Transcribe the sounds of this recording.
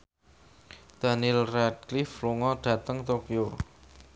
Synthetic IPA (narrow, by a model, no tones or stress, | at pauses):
d̪̥a̤nilrɛd̚klifluŋɔɖ̪̥ä̤t̪əŋt̪okjo